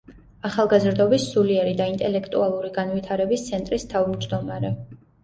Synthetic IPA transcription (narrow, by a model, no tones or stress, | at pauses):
aχalˠɡazɾd̪ɔbisːuliɛɾid̪aint̪ʼɛlɛkʰt̪ʼualˠuɾiɡanvit̪ʰaɾɛbist̪sʰɛnt̪ʼɾist̪ʰavmd͡ʒd̪ɔmaɾɛ